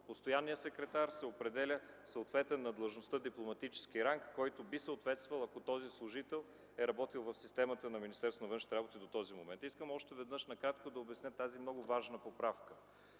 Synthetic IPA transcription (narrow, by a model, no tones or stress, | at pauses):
post̪ojanːijəsɛkɾɛt̪aɾsɛopɾɛd̪ɛlʲəsəot̪vɛt̪ɛnːɐd̪lˠɐʒnost̪əd̪iplˠomɐt̪it͡ʃɛ̥sk̟iɾaŋkːɔjt̪obisəot̪vɛt̪st̪vɐlˠɐkot̪ɔzislˠʊʒit̪ɛlˠ | ɛɾɐbɔt̪ilˠvɐfsist̪ɛmət̪ənɐminist̪ɛɾsonvɤnʃnit̪ɛɾabot̪id̪ot̪ɔzimomɛnt̪iskəmɔʃt̪ɛvɛd̪nəʃnɐkɾat̪kod̪ɐobɛsnʲət̪azimnɔɡʊvaʒnəpopɾafkə